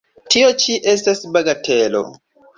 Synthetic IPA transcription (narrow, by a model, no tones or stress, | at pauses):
tiot͡ʃiʔe̞stasbaɡatelo̰